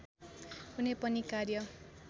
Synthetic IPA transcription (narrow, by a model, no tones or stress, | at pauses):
kunepʌnikarjʌ